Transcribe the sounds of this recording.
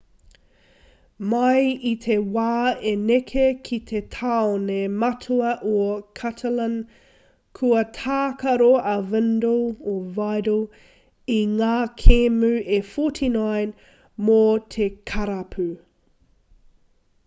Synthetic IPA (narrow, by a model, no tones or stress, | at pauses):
mɐjitʰewaːenekʰekʰit̪ʰetʰaonemɐtʰuɐʔokʰɐtʰɐlɐn | kʰuɐtʰaːkɐɾoɐvɛndoovajɾo | iŋaːkʰemʉʔefotʰinajn | mot̪ʰekʰɐɾɐpʰʉ